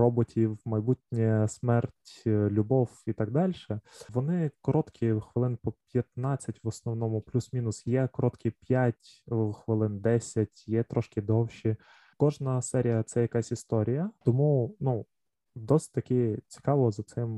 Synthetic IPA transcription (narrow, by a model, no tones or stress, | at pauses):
ɔbɔtʲʰiwmɐjbutʲnʲɛsmɛrtʲlʲʊbɔwit̪ɑɡ̚d̪ɑlʲʃɛʋɔnɪkɔɾɔt̪kʰʲixʋɪlˠɪnpɔpʲjɐt̪nɑt͡sʲːɐtʲʋɔsnɔwnɔmʊplʲusmʲinʊsjɛkɔɾɔt̪kʲipʲjatʲxʋɪlˠɪnd̪ɛsʲɐtʲjɛt̪ɾɔʃkɪd̪ɔwʃʲi | kɔʒnɐsɛɾʲijɐt̪sɛjɐkɑsʲist̪ɔɾʲijɐt̪ɔmunu | d̪ɔsʲɪ̥t̚ʲt̪ɐkɪt͡sʲi̥kɑʋɔzɐt̪sɪm